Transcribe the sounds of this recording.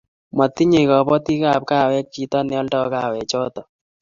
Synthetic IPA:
ma˨t̪ːi˦ɲe˨kɔ˨bɔ˦t̪i˦ka˨p̚ka˦˨wɛ˦kːi˨t̪ɔ˦nɪɔ˦ltɔ˦ka˦˨wɛ˨t͡ʃɔ˦t̪ɔ˨

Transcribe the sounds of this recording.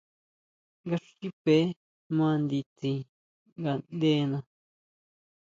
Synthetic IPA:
ŋɡa˦˧ʂi˦pe˨˦ | mã˦˧nd̪i˧t͡si˧ | ŋɡa˧˨nd̪e˦nã˧˨

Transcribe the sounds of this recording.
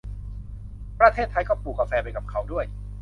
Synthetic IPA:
pɾa˧t̪ʰeː˥˩t̪ʰːa˧jkɔː˥˩puː˨˩kːa˧fɛː˧pa˧jka˨˩p̚kʰa˦˥wdu˥˩əj

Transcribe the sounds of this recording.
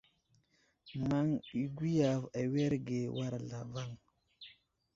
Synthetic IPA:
ma˦ŋi˦ɡi˦ja˨va˨we˦ɾɡe˨wa˦ɾla˨va˦ŋ

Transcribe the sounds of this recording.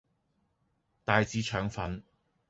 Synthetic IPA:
t̪aː˨jt͡siː˨˥t͡ʃʰœː˨˥ŋfɐ˨˥n

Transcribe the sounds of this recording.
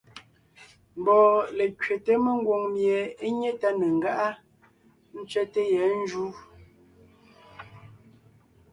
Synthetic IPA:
m˨bɔː˨le˨kɥe˨te˦me˦ŋ˦ɡwo˨ŋmje˨e˦ɲe˦ta˦ne˨ŋ̩ɡa˦ʔa˦ | n̩˦t͡ʃɥɛ˦te˦jɛ˨˦n̩˦d͡ʒu˦

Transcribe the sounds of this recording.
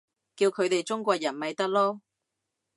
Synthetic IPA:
kiː˧wkʰɵ˨˧ɥt̪e˨jt͡sʊ˥ŋkʷɔː˧k̚jɐ˨˩nmɐ˨jt̪ɐ˥k̚lɔː˥

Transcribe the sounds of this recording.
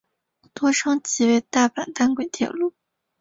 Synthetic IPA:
t̪wɔ˥ʈ͡ʂʰɤ˥ŋt͡ɕi˧˥we˥˩ɪt̪a˥˩pa˨˩nt̪a˥˩nkwe˨˩ɪt̪ʰjɛ̰˨˩lu˥˩

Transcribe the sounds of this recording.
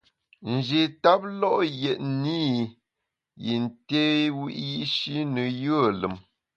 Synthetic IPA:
n̩˨d͡ʒe˨ta˦p̚lɔ˦ʔjɛ˨ʔni˦ | ji˨n˨te˦wḭ˦ʔji˦ʔʃi˦nə˨jə˦˨lə̰˨m

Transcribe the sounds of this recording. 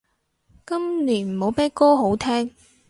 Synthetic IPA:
kɐ˥mniː˨˩nm̩˨˩ho˨˥wpɛː˥kɔː˥ɦo˨˥wt̪ʰɛː˥ŋ

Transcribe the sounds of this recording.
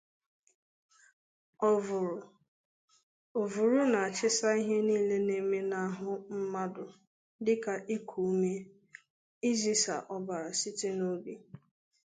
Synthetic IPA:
ɔ˨vʊ˨ɾ | o˨vu˨ɾu˦na˨a˨t͡ʃɪ˦sa˦i˦ɦe˦niː˦le˦ne˦me˦na˦a˦˨ɦʊ˦m̩˦ma˦dʊ˨ | dɪ˦ka˨ʔi˦kʰu˨u˦me˦ | i˦zi˦sa̰˨ʔɔ˦ba˨ɾa˨sɪ˦te˦no˦ɡe˨

